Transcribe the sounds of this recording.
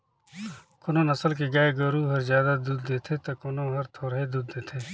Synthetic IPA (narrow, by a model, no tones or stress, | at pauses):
kʊnõnɐsəlk̬eɡaːeɡɐɾuɦɐɾzjaːd̪ad̪uːd̪ːeːt̪ʰet̪ɐkʊnõɦɐɾt̪ʰoːɾɦed̪uːd̪ːeːt̪ʰeː